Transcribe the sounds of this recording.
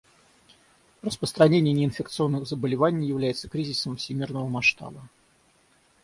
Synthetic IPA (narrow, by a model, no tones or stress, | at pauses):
rəspɾəst̪ɾɐnʲenʲɪjənʲɪːnfʲɪkt̪sɨo̞nːɨɣzəbəlʲɪvanʲɪjjɪvlʲæjɪt̪sə̥kɾʲizʲɪsəmfsʲɪmʲirnəvəmɐʂt̪a̰bə